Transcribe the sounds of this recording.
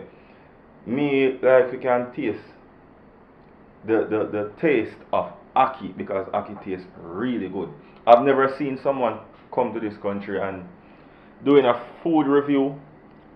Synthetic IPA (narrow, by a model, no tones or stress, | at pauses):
milaɪfwikãntʰes | ðəðəðətʰestɔvakʰibɪkɔza̰kitʰestɹiliɡʊd̚ | aɪvnɛvə˞sĩːnsʌ̃mwʌ̃n | kʰʌ̃mtuðɪskʰʌ̃nt͡ʃɹ̥iãn | duɪ̃ŋəfuːdɹivjuː